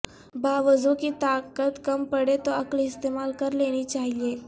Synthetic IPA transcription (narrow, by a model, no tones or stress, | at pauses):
baʋəzukit̪akət̪kəmpəɽet̪oəkliɪst̪emalkəɾleñit͡ʃaɦie